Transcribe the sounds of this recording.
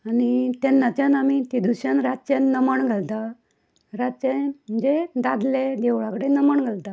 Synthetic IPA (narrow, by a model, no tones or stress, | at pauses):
anit̪ɛnːat͡ɕjãnamit̪id̪uɕanɾat͡ɕenːəmaɳɡʱəlt̪a | ɾat͡ɕeməd͡ʑed̪ad̪led̪ɛʋɭãkəɽenəmaɳɡʱəlt̪a